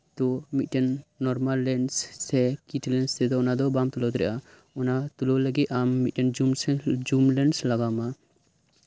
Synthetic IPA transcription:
t̪ɔmit̪̚ʈɛnːɔɾmalːɛnsːɛkiʈʰlɛnst̪ɛd̪ɔɔnad̪ɔbamt̪ulɔt̪ɾɛ̰ʔa | ɔnat̪ulɔləɡit̪̚amːit̪̚ʈɛnd͡ʒumsd͡ʒumlɛnslaɡama

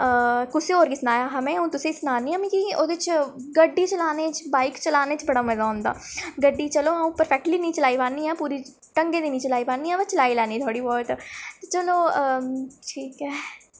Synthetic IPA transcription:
əkʊseoːɾkisnaːjaːɦəmẽːũːt̪ʊsesnaːniːãmĩkioːd̪eɪt͡ʃɡəɖːiːt͡ʃəlaːneːt͡ʃbaːɪkt͡ʃəlaːneːt͡ʃbəɽaːmɛzaːɦʊ̃nd̪a̰ːɡəɖːiːt͡ʃəloːũpəɾfʰɛk̚ʈliːnĩːt͡ʃəlaːipãːniːɦɛːpuːɾi | ʈə̃ŋɡẽːd̪iːnĩːt͡ʃəlaːipãːnːiːɦɛːbət͡ʃəlaːilɛːniːt̪ʰoːɽiːbɔːʈt͡ʃəloː | ʈʰiːkɦɛː

